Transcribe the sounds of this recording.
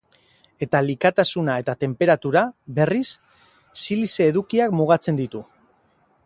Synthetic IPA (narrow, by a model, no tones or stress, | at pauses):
e̞t̪alikat̪asunae̞t̪at̪e̞mpe̞ɾat̪uɾaβe̞risː | iliseːðukiakmuɣ̞at͡se̞nd̪it̪u